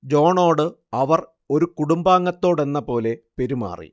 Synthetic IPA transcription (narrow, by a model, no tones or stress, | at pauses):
d͡ʑo̞ːɳo̞ːɽɨ | ɐʋɐr | o̞ɾukuɽumbaːŋːɐt̪ːo̞ːɽe̞nːɐpo̞ːle̞pe̞ɾuma̰ːrḭ